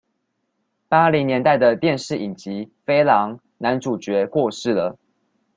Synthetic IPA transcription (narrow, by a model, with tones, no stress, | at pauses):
pa˥li˨˦ŋnjɛ˧˦nt̪a˥˩ɪd̪ə˨t̪jɛ˥˧nʂɻ̩˥˩i˨˩t͡ɕi˨˦fe˥ɪlɑ˧˥ŋ | na˧˦nʈ͡ʂu˨˩t͡ɕɥɛ˨˦kwɔ˥˧ʂɻ̩˥˩lə˩